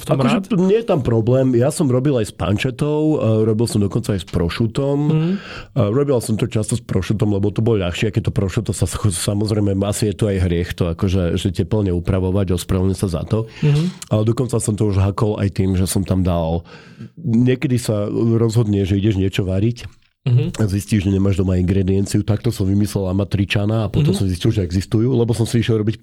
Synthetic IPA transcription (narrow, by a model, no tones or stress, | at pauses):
ft̪akɔʒɛɲɛjɛt̪ampɾɔblɛːmjasɔmɾɔbilajspa̰nt͡ʃɛt̪ɔʊɾɔbilsɔmd̪ɔkɔnt͡saajspɾɔʃut̪ɔm | ɾɔbilsɔmt̪ɔt͡ʃast̪ɔspɾɔʃut̪ɔmlɛbɔlt̪ɔbɔlʎaxʃiakɛt̪ɔpɾɔʃut̪ɔsasxɔsamɔzɾɛɪmɛasijɛt̪uajɦɾɪɛxt̪ɔakɔʒɛʒɛcɛpl̩ɲɛupɾaʋɔʋaɟɾɔspɾaʋɲɛsaza̰t̪ɔalɛd̪ɔkɔnt͡sasɔmt̪ɔuʒɦakɔla̰jt̪iːmʒɛsɔmt̪amd̪al | ɲɪɛkɛd̪isaɾɔzɦɔd̪ɲɛʒɛiɟɛʒɲɪɛt͡ʃɔʋaɾic | azisciʒʒɛɲɛmaːʒd̪ɔmaiŋɡɾɛd̪iɛnt͡siut̪ak̚t̪ɔsɔmʋimislɛlamat̪ɾit͡ʃanaːpɔt̪ɔmsɔmziscilʒɛɛɡzist̪ujuːlɛbɔsɔmsiiʃjɛlɾɔbic